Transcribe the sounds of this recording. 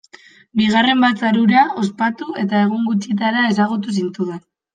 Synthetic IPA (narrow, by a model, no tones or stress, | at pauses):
biɣ̞are̞mbat̪t͡saɾuɾao̞spat̪ue̞t̪ae̞ɣ̞oŋɡut͡ʃit̪aɾae̞saɣ̞ut̪us̬int̪uðen